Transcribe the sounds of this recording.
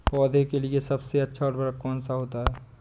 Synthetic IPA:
pɔːd̪ʱekeliesɐbseɐtːʃʰaɔːɾbɐɾəkːɔːnsaɦoːt̪aɦɛː

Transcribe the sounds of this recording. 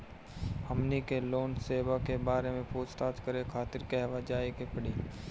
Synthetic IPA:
həmnikeloːnseːʋakebaːɾemẽpuːt͡ʃt̪aːt̪kəɾekʰaːt̪ɪɾkeɦɛʋad͡ʒaːikepəɽiː

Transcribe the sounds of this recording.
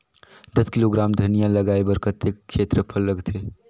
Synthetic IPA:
d̪əskɪloɡɾaːmd̪ʱənijaləɡaːebəɾkət̪ːekkʰʃeːt̪ɾəpʰəlːəɡt̪ʰɦe

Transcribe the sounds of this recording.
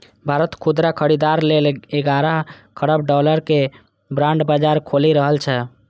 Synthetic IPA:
bʱaɾət̪kʰud̪ɾakʰəɽid̪aɾleleɡaɾakʰəɽəbɖɔləɾke | bɾãɳɖbad͡ʒaɾkʰoliɾəɦəlt͡ʃʰɛ

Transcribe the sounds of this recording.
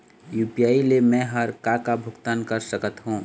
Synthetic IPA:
juːpijaːilemɛ̃ːɦɐɾkakabʱʊɡt̪aːnkɐɾsəkət̪ɦũː

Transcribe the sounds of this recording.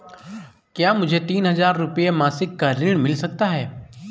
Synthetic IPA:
kjaːmʊd͡ʒʱet̪iːnɦɐzaːɾːʊpijemaːsɪkːaɾɪɳ̃mɪlsɐk̚t̪aɦɛː

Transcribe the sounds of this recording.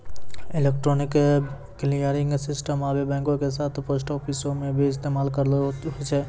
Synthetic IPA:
ɪlekʈɾoːnɪk | klijəɾɪ̃ŋɡsɪsʈəmaːbebɛ̃ːŋkõkesaːt̪ʰpos̬ʈɔːfisõmẽbʱiɪst̪eːmaːlkəɾɦot͡ʃʰe

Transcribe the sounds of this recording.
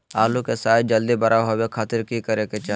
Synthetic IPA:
aːlukesaːjd͡ʒɐld̪ibɐɾaɦobekʰaːt̪ɪɾkikəɾeket͡ʃa

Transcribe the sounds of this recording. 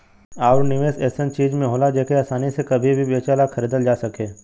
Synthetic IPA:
aːɾnɪʋeːsɛːsə̃nt͡ʃiːd͡ʒmẽɦoːlad͡ʒɛːkeaːsaːnisekɐbʱibʱiʋeːt͡ʃaːlakʰɐɾiːd̪əld͡ʒaːsɐkeː

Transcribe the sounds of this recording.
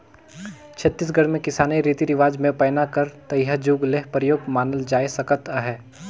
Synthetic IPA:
t͡ʃʰɐt̪ːiːs̬ɡʱɐɽmẽkɪsaːnaiɾiːt̪iɾɪʋaːd͡ʒmẽpɛːnakəɾt̪ɐjɦad͡ʒuːɡleɦpɾəjoːɡmaːnəld͡ʒaːesɐkət̪əɦɛː

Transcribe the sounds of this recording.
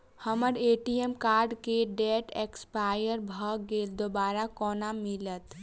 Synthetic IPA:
həməɾeʈiemkaɾɖkeɖeʈekspajəɾbʱəɡeld̪obaɾakɔnamilət̪

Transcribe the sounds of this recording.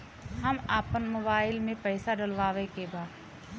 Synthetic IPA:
ɦɐmaːpənmoːbaːɪlmẽpɐːɪsaɖɐlʋaːʋekebaːd̪

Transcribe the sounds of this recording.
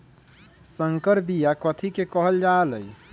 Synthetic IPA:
səŋkəɾbijakət̪ʰikekəɦəld͡ʒaləj

